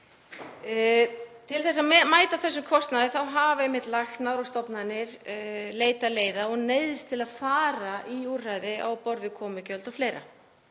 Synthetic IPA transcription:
t̪ʰɪlθɛs̬ːaðmaːjt̪aθɛsːʏmkʰɔst̪naðɪθawɦavɛmɪt̪laxnaðɾɔwst̪ɔpnaðnɪɾleːjt̪aleːjðaɔɣneːjðɪst̪ʰɪlaðfaːɾaʔiur̥rajðɪʔa̰wpɔɾvɪkʰɔːmɪcœlt̪ɔfleːjɾa̰

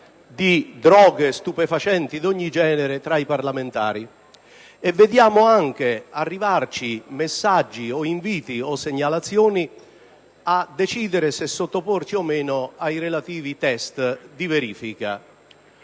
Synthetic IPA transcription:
d̪id̪ɾɔːɡest̪upefat͡ʃɛnt̪id̪ɔɲːid͡ʒɛːneɾɪt̪ɾaiparlament̪a̰ːɾi | ɛvːed̪jaːmʊaŋk̟earːivart͡ʃimesːad͡ʒːiɔiɱviːt̪iɔsːeɲːalat̪sːjɔːni | ad̪ːet͡ʃiːd̪ɪɾɪsɪsːot̪ːopɔrt͡ʃiɔmːeːnʊajrelat̪iːvit̪ɛst̪d̪iveɾiːfika̰

